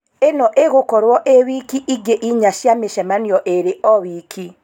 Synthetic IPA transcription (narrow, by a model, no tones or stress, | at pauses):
enɔʔeɣokɔɾwɔʔewikiʔiɡeʔiɲaʃjameʃɛmanjɔʔeɾeɔwikʰi